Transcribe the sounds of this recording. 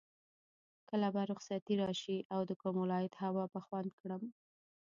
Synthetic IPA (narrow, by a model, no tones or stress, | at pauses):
kəlabaɾʊxsat̪iɾɑʃiʔawd̪əkomʊlɑjɪd̪hawɑpaxwand̪̚kɽəm